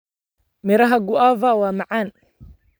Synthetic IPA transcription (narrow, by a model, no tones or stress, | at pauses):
mɪɾaɦaɡʊʔavawamaʕan